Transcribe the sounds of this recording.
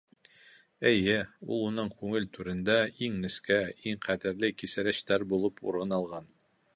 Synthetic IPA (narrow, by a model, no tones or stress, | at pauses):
ɘ̆jɘṵlˠunɤɴkʉŋɘlt̪ʰʉɾɘ̆nd̪æiŋnɘ̆skæiŋqæd̪ɘ̆ɾlɘkisɘ̆ɾɘ̆ɕt̪æɾbulˠɤpʰṵɾɤnɑlˠʁɑn